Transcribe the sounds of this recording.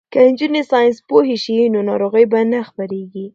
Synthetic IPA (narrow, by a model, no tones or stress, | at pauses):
kaɪnd͡ʒunesɑjɪnspoɦeʃinonɑɾoɣəjbanaxpaɾeɡi